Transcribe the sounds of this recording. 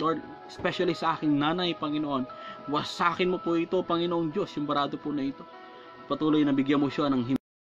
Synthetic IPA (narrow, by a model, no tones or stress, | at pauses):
loɹd̪ | ɛspɛʃɐlisɐʔaːkɪŋnaːnɐjpɐŋɪnoʔo̞nwɐsɐʔaːkɪnmopʊʔɪt̪o̞pɐŋɪnoʔoŋd͡ʒo̞sjʊmbɐɾaːd̪opʊnɐɪt̪o̞ | pɐt̪uːlo̞jnɐbɪɡjɐnmoʃanɐŋɦɪ